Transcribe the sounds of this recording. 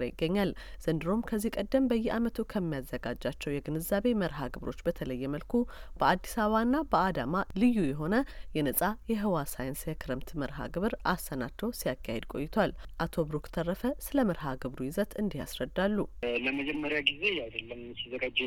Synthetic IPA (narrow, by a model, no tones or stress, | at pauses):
ɾjɪɡːəɲːalz̥ɨnd̪ɨɾo̞mkʰəzːihkʼəd̪ːəmbəjːɛamət̪ʰukʰəmːijazːəɡad͡ʒːat͡ʃːɛwjɛɡɨnɨzaβe̞məɾɦaɡɨβɾo̞t͡ʃːbət̪ʰələjːɛməlkʰub̥əad̪ːisaβaɨnːabəad̪amalɨjːujɛɦo̞nəjɛnəsʼajɛɦɨwasajɪnsjɛkʰɨɾɨmt̪məɾɦa̰ɡɨβɨɾʔasːənat̪ːəwsijakʰːahed̪̚kʼo̞̰jːɪt̪ʰalʔat̪ʰo̞bɾukt̪ʰərːəfəsɨləmɨɾɦaɡɨβɾujɪzət̪ʰɨnd̪iha̰sɾəd̪ːalːuləməd͡ʒɛmːəɾjaɡize̞jawd̪əlːəmsizəɡad͡ʒ